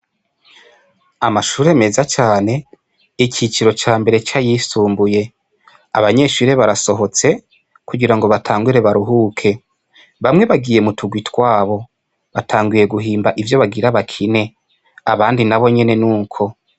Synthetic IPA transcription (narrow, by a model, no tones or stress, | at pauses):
amaʃuːɾe̞me̞zat͡ʃaːne̞ | ikit͡ʃiɾo̞t͡ʃaːmbe̞ɾe̞t͡ʃajisuːmbuje̞ | a̰βaɲe̞ːʃuːɾe̞βaɾaso̞ɦo̞t͡se̞ | kuɡiɾaŋɡo̞βatʰaːŋɡuɾe̞βaɾuɦukʰe̞ | βamŋe̞βaɡiːje̞mutʰuɡwitwaːβo̞ | βatʰaːŋɡuje̞ɡuɦiːmbaʔivjo̞βaɡiɾaβakʰine̞ | aβaːndinaβo̞ɲe̞ne̞nuːkʰo̞